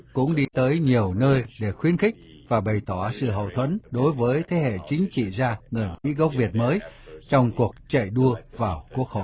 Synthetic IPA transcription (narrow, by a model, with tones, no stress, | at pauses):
kʊ̰˧˥ŋ͡mɗi˧t̪əː˨˦jɲi˨˩əwnəː˧jɗe˧˩xwi˧˦ənxï˦˥k̟̚ | vaː˨˩ɓə˨˩jt̪ɔ˧˩sɨ̰˧˨ɦə̰˧˨wt̪ʰwə̰˧˥nɗo˨˦jvəː˨˦jt̪ʰe˨˦ɦḛ˧˨t͡ɕï˨˦ŋ̟t͡ɕḭ˧˨zaː˧ŋɨ˨˩jwḭ˧˥ɣwk͡p̚vi˨˩ət̚məː˨˦jt͡ɕɔ˧wŋ͡mku˨˩ək̚t͡ɕə̰˧˨jɗu˧əvaː˨˩wku˦˥ək̚xo˧˨j